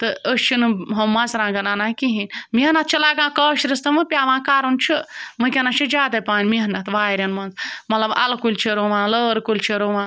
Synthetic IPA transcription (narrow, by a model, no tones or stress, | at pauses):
t̪ɨəst͡ʃʰinɨɦɐmɐnzɾãːɡɐnanãːkiɦinʲminɐt̪̚t͡ʃʰilaːɡãːkɐːʃɾist̪ɨmɨpʲjaːʋãːkaːɾunt͡ʃʰimɨkʲɐnɐt͡ʃʰid͡ʒaːd̪ɐpaːnʲmiɦɐnɐt̪ʋaːɾʲɐnmɐnzmɐt̪lɐbɐ̰lkulʲt͡ʃʰiɾoʋãːnləːɾkulʲt͡ʃʰiɾoʋãː